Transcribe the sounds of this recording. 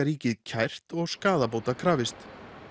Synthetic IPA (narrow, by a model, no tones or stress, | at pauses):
aɾiːcɪðcʰajr̥t̪ɔɣskaːðap̬oːwt̪akʰɾaːvɪst̪